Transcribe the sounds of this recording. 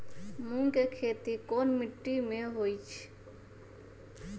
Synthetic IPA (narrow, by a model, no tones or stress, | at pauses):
mũːŋkekʰeːt̪ikoːnmɪʈːimẽɦoːit͡ʃʰ